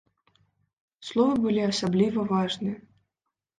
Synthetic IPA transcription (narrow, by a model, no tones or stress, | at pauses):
slˠɔvɐbɨlʲiasablʲivɐvaʐnɨjɐ